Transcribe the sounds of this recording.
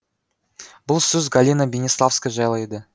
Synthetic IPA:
bʊlˠsɵzɡalʲinabʲenʲislˠafskəʒɑjlˠɑjd̪ə

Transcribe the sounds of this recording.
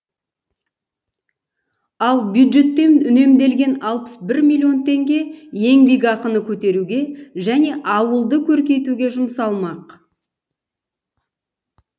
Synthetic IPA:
ɑlˠbjud̪ʒe̞t̪ːe̞mnʏne̞md̪e̞lɡʲe̞nɑlˠpə̥sbɪɾmʲilʲːio̞nt̪e̞ŋɡʲe̞je̞ŋbiɡʲɑqənəkʲʰɵt̪e̞ɾuɡʲe̞ʒæne̞ʔɑwəlˠd̪əkʲʰɵɾkʲe̞jt̪uɡʲe̞ʒʊmsɑlˠmɑq

